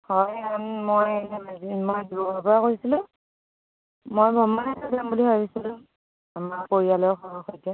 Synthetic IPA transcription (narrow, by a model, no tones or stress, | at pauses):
hɔjanmojɛmazimojdiɔbʱapɔɹakoɹisilʊ̃ | mojbʱɔmbanɛpɔɡɹambulihɔjbisilʊ̃ | amaɹkoɹialɔxɔɔxɔjtɛ